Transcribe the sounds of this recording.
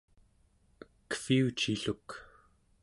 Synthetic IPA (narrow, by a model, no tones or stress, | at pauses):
kə̥fiut͡ʃiɬuk